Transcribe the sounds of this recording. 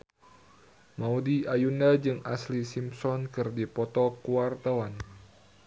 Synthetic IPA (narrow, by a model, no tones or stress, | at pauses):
maudiajunad͡ʒɨŋa̰slisimsɔnkɨrdipɔt̪ɔkuwart̪awan